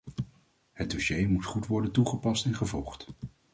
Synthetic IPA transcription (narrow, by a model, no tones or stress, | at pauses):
həd̚dɔʃejmutχutʋɔɹdəntuχəpɑstɛnχəvɔlˠχt